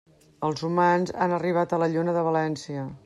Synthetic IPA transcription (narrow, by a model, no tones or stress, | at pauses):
əlˠzumanzanəriβ̞at̪ələʎunəðəβəlɛnsiə